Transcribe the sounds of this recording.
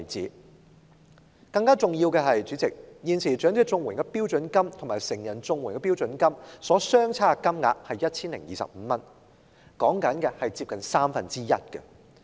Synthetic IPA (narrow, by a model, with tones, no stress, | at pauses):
t͡siː˨˥ | kɐ˧ŋkaː˥t͡sʊ˨ŋjiː˧wkɛː˧ɦɐ˨jt͡ʃyː˨˥t͡sɪ˨˩k̚jiː˨nsʰiː˨˩t͡ʃœː˨˥ŋt͡se˨˧t͡sʊ˧ŋwu˨˩nkɛ˧piː˥wt͡sɵ˨˥nkɐ˥mt̪ʰʊ˨˩ŋmaː˨˩jsɪ˨˩ŋjɐ˨˩nt͡sʊ˧ŋwu˨˩nkɛ˧piː˥wt͡sɵ˨˥nkɐ˥msɔː˨˥sœː˥ŋt͡sʰaː˥˧kɐ˥mŋa̰ː˧k̚hɐ˨jːɐ˥t̚t͡sʰiː˥nlɪ̰˨˩ŋjiː˨˩sɐ̰˨p̚m̩ː˨˦mɐ˥n | kɔː˨˥ŋkɐ˨˥nkɛː˧hɐ˨jt͡siː˧p̚kɐ˨nsaː˥mfɐ˨nt͡siː˥jɐ˥t̚kɛ̰˧